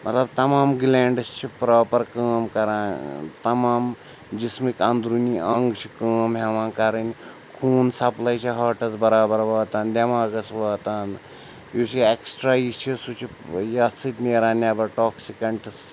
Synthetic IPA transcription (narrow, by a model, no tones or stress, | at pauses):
mʔɐt̪lɐbt̪ɐmaːmɡleːɳɖɐst͡ʃʰipɾaːpɐɾkəːmkɐɾãːnt̪ɐmaːm | d͡ʒismikɐnd̪ɾuniʔɐŋɡt͡ʃʰi̥kəːmɦeʋãːnkɐɾɐnʲ | kʰuːnsɐplɐjt͡ʃʰiɦɐːʈɐsbɐɾaːbɐɾʋɐːt̪aːnd̪ʲɐmaːɡɐsʋɐːt̪aːn | jusieksʈɾaːist͡ʃʰisut͡ʃʰi | jɐsɨt̪ʲneːɾaːnʲaːbɐʈoːksikɐɳʈɐs